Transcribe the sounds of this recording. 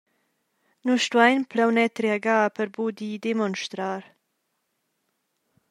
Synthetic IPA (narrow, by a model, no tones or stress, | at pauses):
nuʃt̪uajnplawnɛt̪ɾeaɡaːpəɾbud̪id̪emɔnʃt̪ɾaːɾ